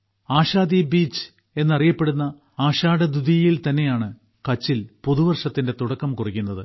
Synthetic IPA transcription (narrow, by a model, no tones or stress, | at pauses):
aːɕaːd̪ibiːt͡ɕːɨ̥ | e̞nːɐrijɐpːe̞ɽunːɐ | aːɕaːɽɐd̪uðijjilt̪ɐnːe̞jaːɳɨ | kɐt͡ɕːilpuðuʋɐrʂɐt̪ːinde̞t̪uɽɐkːɐmkurikʲːunːɐðɨ